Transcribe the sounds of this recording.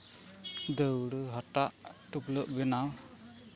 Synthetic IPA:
d̪əwɽɯɦɔʈaʔʈupləʔbɛnaw

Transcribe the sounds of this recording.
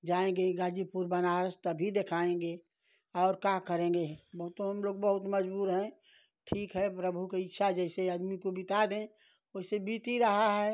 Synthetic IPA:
d͡ʒaːẽŋɡeɡaːd͡ʒipuɾbənaːɾəst̪əbʱid̪ekʰaːẽɡe | ɔːɾkakəɾẽːŋɡebɐɦʊt̪ɦɐmloːɡ̚bəɦʊt̪məd͡ʒbuːɾɦɛ̃ | ʈʰiːkɦɛpɾəbʱukeɪtːʃʰad͡ʒɛːseɐd̪mikobɪt̪ad̪ẽ | osebiːt̪iɾəɦaɦɛː

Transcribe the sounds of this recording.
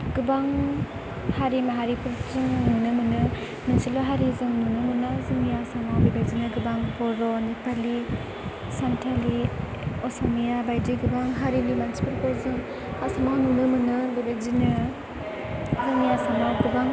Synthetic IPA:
ɡ̥ɯbaŋ | haɾimaɦaɾipʰuɾzɯŋnɯŋnɯmɯnɯ | minsilɔɦaɾizɯŋnɯŋnɯmɯnazɯŋijasamawbibazinɯɡɯbaŋpɔɾɔnipʰali | santʰali | ɔsɔmijabajdiɡɯbaŋɦaɾinimansi̥pɯɾpɔzɯŋ | hasamawnɯnɯmɯnɯbibazinɯ | zɯŋijasamawɡɯbaŋ

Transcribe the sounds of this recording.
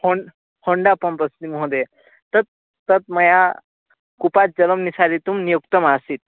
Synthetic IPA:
hoɳɖ | hoɳɖapəmpəst̪imɦõd̪e | t̪ət̪ː | ət̪̚məja | kupat̪̚d͡ʑələmnisaɾit̪uːmnijuk̚t̪əmasiːt̪̚

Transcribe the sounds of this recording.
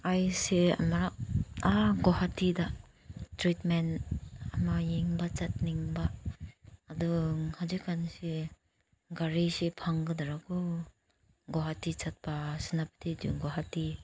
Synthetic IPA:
ajsea̰maɾaaɡɔhatida | tɾitmenamajeŋbat͡ʃat̚niŋbaː | duŋhad͡ʒikʰansi | ɡaɾisipʰaŋɡɯdaɾaku | ɡɔɦatit͡ʃat̚pasinapḁtʰidṵŋɡɔɦati

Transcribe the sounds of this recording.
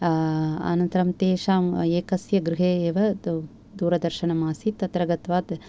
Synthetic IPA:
a̰ːnɐnt̪ɐɾɐmt̪eːʃaːmeːkɐsjɐɡɾuɦeːeːʋɐ | d̪uːɾɐd̪ɐɾʃɐɳɐmaːsit̪ːɐt̪ɾɐɡɐt̪ʋaːt̪

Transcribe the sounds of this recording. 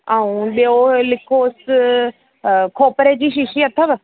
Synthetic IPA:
aːũɓeolɪkʰoɪs | kʰoːpəɾed͡ʑiːʃɪʃiɐt̪ʰːəʋ

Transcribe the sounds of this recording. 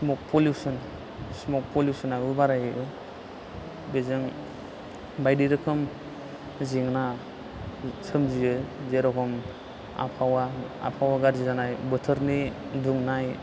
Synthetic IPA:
smɔk̚pʰɔljusɔn | smɔk̚pʰɔljusɔnaɯbaɾajɯɯ | bezɯŋ | bajdiɾɯkʰɯm | ziŋna | sʰɯmziɯzeɾɔkʰɔm | a̰pʰawaa̰pʰawaɡaɾzizanajbɯtʰɯɾniduŋnaj

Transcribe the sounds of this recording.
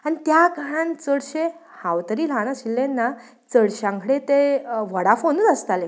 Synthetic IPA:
aɽit̪jaɡʱəɾant͡səɽɕe | hãwt̪əɾiːlaɽ̃aɕilːenːa | t͡səɽɕãŋkʰɽet̪eʋəɽafonud̪əst̪ale

